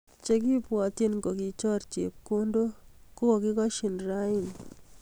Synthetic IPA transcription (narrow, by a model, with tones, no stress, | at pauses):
t͡ʃe˦k̬i˦pwɔ˨ti˦nŋɡo˨ki˨t͡ʃɔ˦ɾt͡ʃḛ˨p̚ko˦ndo˦ko˦ko˨ki˦kɔ˦ʃi˨nɾa˦i˦˨n